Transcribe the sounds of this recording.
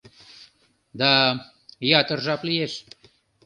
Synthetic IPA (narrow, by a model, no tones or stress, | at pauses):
d̪a | jat̪ərʒaplieʃ